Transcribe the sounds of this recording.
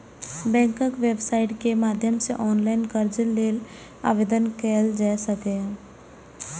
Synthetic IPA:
bɛ̃ːŋkəkʋeːbsaːɪʈkemaːd̪ʱjəmseʔɔːnlaːɪnkəɾd͡ʒəlːeːl | a̰ːʋed̪ənkɛːld͡ʒasəkeɦɛ̃

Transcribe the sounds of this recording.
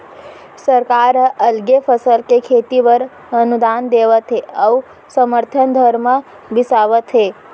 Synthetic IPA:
səɾkaɾəlɡefʰəsəlkekʰet̪iʋəɾ | ənud̪and̪eʋət̪ʰeəʋu | səməɾt̪ʰənd̪ʱəɾmə | bɪsaʋət̪ʰe

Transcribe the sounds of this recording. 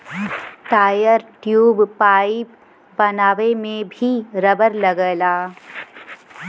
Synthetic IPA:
ʈ̪aːjəɾʈjuːbpaːɪip | bɐnaːʋemẽbʱiɾɐbəɾlɐɡəːlaː

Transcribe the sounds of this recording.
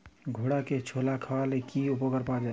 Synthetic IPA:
ɡʱoɽaket͡ʃʰolakʰalekiupəkəɾpad͡ʒa

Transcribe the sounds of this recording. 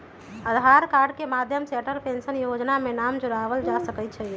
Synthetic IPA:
əd̪ʱaɾkaɾɖ̚kemad̪ʱjəmseʈəlpensənjod͡ʒnamenamd͡ʒoɾaʋəld͡ʒasəkɛt͡ʃʰə

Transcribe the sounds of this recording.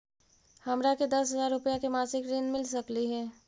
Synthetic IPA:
hɐmɾaked̪ɐsɦɐzaːɾɾʊpjakemaːsɪkɾiːnmɪls̬ɐkliɦɛː

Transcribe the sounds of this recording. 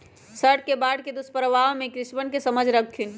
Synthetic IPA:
səʈkebaɽked̪uspəɾəʋaõmẽkɾɪsbəɳkesəməd͡ʒʱɾəkʰːin

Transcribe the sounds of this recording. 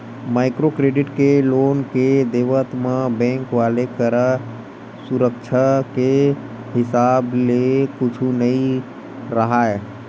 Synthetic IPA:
maɪkɾokɾeɖiʈkelonked̪eʋət̪mãbɛ̃ŋkʋalekəɾə | suɾəkt͡ʃʰake | hɪsablekut͡ʃʰunəi | ɾəɦae

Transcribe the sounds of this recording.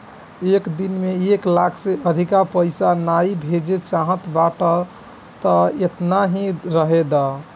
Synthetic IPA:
ekd̪inmeeklakʰseəd̪ʱikapəɪsanaibʱed͡ʒet͡ʃaɦə̃t̪baʈə | t̪əet̪naɦĩɾəɦed̪a

